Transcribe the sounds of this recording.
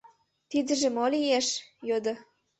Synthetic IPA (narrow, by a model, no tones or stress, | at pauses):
t̪id̪ə̆ʒĕmolijeʃjod̪ɤ̆